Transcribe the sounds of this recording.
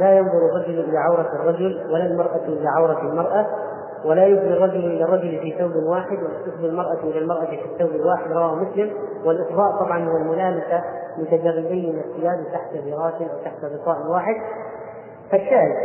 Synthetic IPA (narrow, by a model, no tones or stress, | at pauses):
lajɑnðˤʊɾɑrˤːɑd͡ʒʊlʔɪlaʕawɾˤɑrˤːɑd͡ʒʊlwalalmɑɾˤʔaʔɪlaʕawɾˤɑalmɑɾˤʔa | wɪlajʊɡbɪrˤːɑd͡ʒʊlʔɪlarˤːɑd͡ʒʊlfiːθawbɪwaːħɪd̪wat̪at̪axb̪almɑɾˤʔaʔɪlalmɑɾˤʔafiθːawbɪlwaːħɪd̪ɾˤɑwaːhmʊslɪmwɪlʔɑsˤwaːʔt̪ˤɑbʕɑnhʊwalmʊlaːbɪsamʊt̪ad͡ʒarːɪbajmɪnasːɪjaːd̪t̪aħt̪abɪɾˤɑːsɪʔawt̪aħt̪ɣɨt̪ˤɑːʔɪwaːħɪd̪̚ | faʃːaʔl